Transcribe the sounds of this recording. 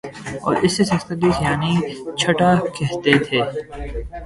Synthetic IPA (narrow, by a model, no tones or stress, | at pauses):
ɔ̰ːɾɪsːesɐ̃st̪əd̪isjaːnit͡ʃʰɐʈakɛɦt̪et̪ʰeː